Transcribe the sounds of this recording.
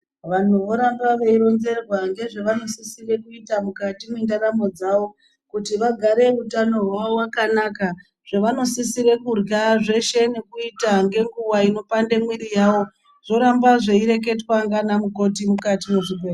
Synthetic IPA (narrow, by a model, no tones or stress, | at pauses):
ʋan̤uʋo̞ɾambaʋeiɾo̞nze̞rwaŋɡe̞ʐeʋano̞sisire̞kuitamukatimindaɾamo̞d͡zaʋo̞ | kutiʋaɡʱaɾe̞utano̞ɦwaʋowakanaka | ʐ̥eʋano̞sisiɾe̞kurɡaʐe̞ʃe̞ne̞kuitaŋɡe̞ŋɡuwaino̞pande̞mwiɾijawo̞ | ʐ̥o̞ɾambaʐeiɾe̞k̬e̞twaŋɡanamuko̞timukatimuʐiber